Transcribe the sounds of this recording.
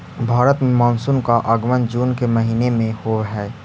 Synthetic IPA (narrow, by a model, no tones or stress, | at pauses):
bʱaːɾət̪mmaːnsʊnkaʔəɡmənd͡ʒuːnkeməɦiːnemẽhoɦɛː